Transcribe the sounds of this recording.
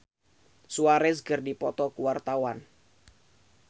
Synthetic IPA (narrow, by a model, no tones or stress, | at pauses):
suaɾɛsɡɨrdipɔt̪ɔkuwart̪awan